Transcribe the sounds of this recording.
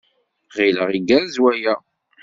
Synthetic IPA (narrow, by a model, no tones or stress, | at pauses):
ʁiləʁiɡæɾzwæjæ